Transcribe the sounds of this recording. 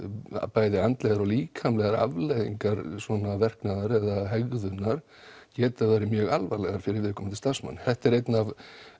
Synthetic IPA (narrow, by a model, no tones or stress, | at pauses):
a̰paːjðɪant̪lɛɣaɾɔliːkʰamlɛɣaɾa̰vlejðiŋkaɾsvɔnavɛr̥knaðaɾɛðaɦɛɣðʏnːaɾ̥ | cɛːt̪aðaɾɪmjœːɣalvalɛɣaɾ̥fɪɾɪɾvɪðkʰɔːmɪnt̪ʰɪ̥lst̪ḁsma̰nːθɛht̪ɛɾejt̪nav